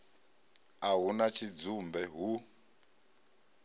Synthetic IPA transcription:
aɦunat͡ʃʰid͡zumbɛɦu

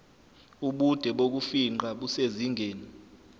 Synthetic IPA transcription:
uɓud̥ʱɛɓok̬ufiŋ͡ǃaɓuseziŋʱeːni

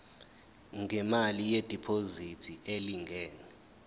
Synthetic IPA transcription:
ŋʱɛmalijed̥ʱipʰozitʰiʔeliŋɡʱɛːnɛ

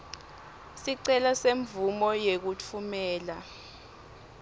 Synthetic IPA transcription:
siǀɛlaseɱvumɔjek̬ut͡fʰumɛːla

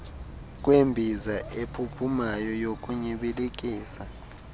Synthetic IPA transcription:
k̬ʼwembʱizaʔepʰupʰumajɔjokʼuɲiɓilik̬ʼiːsa

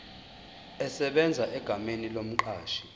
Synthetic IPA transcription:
ɛsɛɓɛnd͡zʱaʔɛɡ̥ʱamenilom̩ǃaːʃi̥

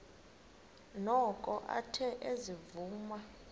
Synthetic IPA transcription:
nɔkʼɔʔa̰tʰɛʔezivuːma

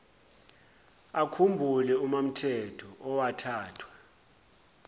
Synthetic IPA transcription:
akʰumbʱulɛumam̩tʰɛtʰɔʔɔwatʰaːtʰwa

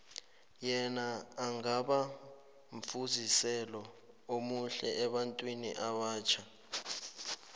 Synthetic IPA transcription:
jɛnaːŋaɓa | ɱfuzisɛlɔ | omuɬɛɛɓantʼwinḭʔaɓaːt͡ʃʰa

